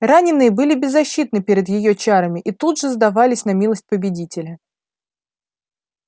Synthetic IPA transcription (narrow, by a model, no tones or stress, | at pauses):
ranʲɪnːɨjəbɨlʲɪbʲɪzːɐɕːit̪nɨpʲeɾʲɪd̪jɪjot͡ɕaɾəmʲɪʔit̪ud̪ʐɨzd̪ɐvalʲɪsʲn̪ɐmʲilˠəsʲt̚ʲpəbʲɪdʲitʲɪlʲə